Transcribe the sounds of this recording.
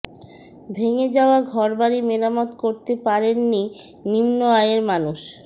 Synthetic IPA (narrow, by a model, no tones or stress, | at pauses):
bʱeŋed͡ʑaoaɡʱɔɾbaɾimeɾamɔd̪koɾt̪epaɾenːi | nimnoajeɾmanuʃ